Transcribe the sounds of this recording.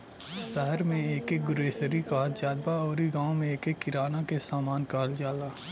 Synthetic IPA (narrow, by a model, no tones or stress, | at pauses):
ʃəɦəɾmẽeːkek̚ɡʊɾeːsəɾikat̪d͡ʒaːd̪baɔːɾiɡãːõmẽeːkekːɪɾaːnakesaːmaːnkaːld͡ʒaːlaː